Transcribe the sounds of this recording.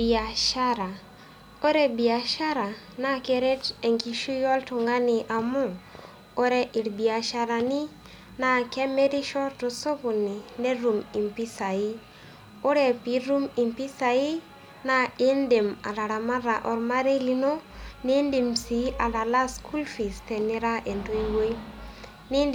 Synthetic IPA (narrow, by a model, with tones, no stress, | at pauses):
bi˨a˨ʃa˦ɾa˨ | o˦ɾe˦bi˨a˨ʃa˦ɾa˨ | na˦ke˨ɾe˦te˨ŋki˨ʃu˦jɔ˦ltʊ˨ŋɡa˦nɪ˨ʔa˨mʊ˦ | o˦ɾɛ˦ʔi˨ɾbi˨a˨ʃa˦ɾa˨ni˦ | na˨kɛ˦me˦ɾi˦ʃɔ˦to˨so˦ku˨ni˨ne˦ɾu˨mi˨mpi˦sa˨i˦ | o˦ɾɛ˨pi˨˦ɾu˦mi˨mpi˦sa˨i˦ | na˨ɪ˦nde˨ma̰˨ɾa˨ɾa˨ma˦ɾa˨ʔɔ˨ɾma˦ɾe˦li˦no˦ni˦ndi˨msi˨˦a˨da˨la˦skʰu˦lfi˨stɛ˨ni˦ɾa˦ʔe˨nto˦i˦we˦ | nɪ˦n